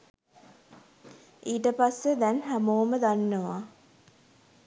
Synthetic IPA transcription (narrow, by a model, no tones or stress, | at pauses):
iːʈəpasːəd̪ɛnɦæmoːməd̪anːəʋa